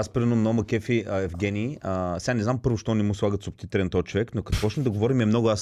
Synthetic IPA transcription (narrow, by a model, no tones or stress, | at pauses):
aspɾinəmnɔmɐkɛfiəɛvɡʲɛniːəsɛɡanɛznampɤɾvʊʃt̪ɔnɛmuslˠaɡət̪sobt̪it̪ɛlɛnt̪ɔjət͡ʃovɛknokɐt̪pɔt͡ʃnɛd̪ɐɡovɔɾimiɛmnɔɡʊas